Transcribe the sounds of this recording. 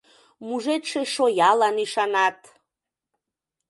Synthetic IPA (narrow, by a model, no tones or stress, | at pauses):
muʒet̪ʃeʃojɑlɑniʃɑnɑt̪